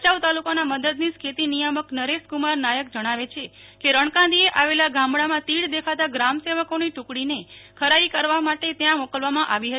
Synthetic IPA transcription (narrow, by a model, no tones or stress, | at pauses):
t͡ʃaʋt̪alukonaməd̪əd̪niskʰet̪inijəməknəɾeskumaɾnajək̚d͡ʒəɽ̃aʋet͡ʃʰekeɾəɳ̃kãd̪ieʔaʋelaɡãmɽamãt̪iɽd̪ekʰat̪aɡɾamseʋəkoniʈukɽinekʰəɾaikəɾʋamaʈet̪jãmokəlʋamãʔaʋiɦə